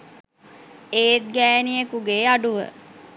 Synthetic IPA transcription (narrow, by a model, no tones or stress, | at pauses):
eːt̪̚ɡæːnijekuɡeːaɖuʋə̰